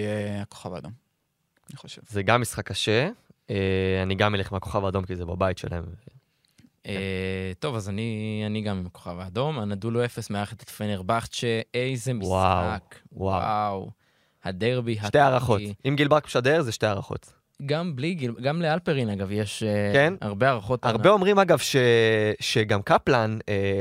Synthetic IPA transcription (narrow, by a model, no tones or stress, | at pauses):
jeako̥χava̰ːd̪om | niχoʃevzeɡamːisχakːaʃeeaniɡameliχmeako̞χavaːd̪o̞mkizebabajitʃela̰hemve | et̪o̞vazanianiɡamimakoχavaːd̪o̞manad̪uloe̞fe̞smeaeet̪ḁt̪o̥feneʁbaχt̪ʃeejze̞miwsawakwa̰wa̰w | had̪eʁbiɦaʃtejaʁaχotimɡilbʁakʃadeʁzeʃteaʁaχo̞̰t | ɡambliɡilɡamlealpeʁinaɡavjeʃkena̰ʁbeaʁaχo̞t̪aʁbeo̞mʁimaɡavʃeʃeɡamkaplane